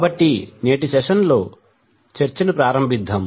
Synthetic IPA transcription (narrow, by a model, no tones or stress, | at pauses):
kaːbɐʈːineːʈ̬isɛʂɐnloː | t͡ʃɐɾt͡ʃɐnipɾaːɾɐmbʱid̪ʱːɐm